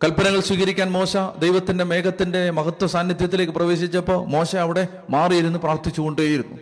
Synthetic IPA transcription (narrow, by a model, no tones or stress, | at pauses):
kɐlpɐnɐɣɐɭswiːɣɐɾikʲːaːnmo̞ːɕɐd̪ejʋɐt̪ːinde̞me̞ːkɐt̪ːinde̞mɐɡɐt̪ːwɐsaːnjɐt̪jɐt̪ːile̞ːkːɨprɐʋe̞ːɕit͡ɕːɐpːomo̞ːɕɐɐʋiɽe̞ | maːrijiɾunːupraːrt̪it͡ɕːuɣo̞ɳɖueːjiɾunːṵ